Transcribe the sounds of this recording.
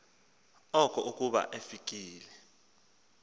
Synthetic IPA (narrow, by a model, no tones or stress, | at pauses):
ɔkʼɔʔukʼuɓa̰ʔefik̬ʼiːlɛ